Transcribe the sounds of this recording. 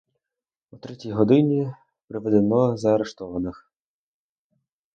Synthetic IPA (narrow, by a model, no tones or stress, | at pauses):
ut̪ɾɛtʲijɦɔd̪ɪnʲi | pɾɪʋed̪enɔzɐɐɾeʃt̪ɔʋɐnɪx